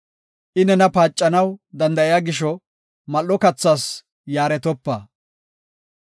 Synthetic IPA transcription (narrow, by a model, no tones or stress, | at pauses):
ʔɪnɛnɐpaːt͡ʃʼːɐnɐwd̪ɐnd̪ɐʔɪjaːɡɪʃɔ | mɐlːɔkɐt͡sːaːs | jaːɾɛt̪ɔpːaː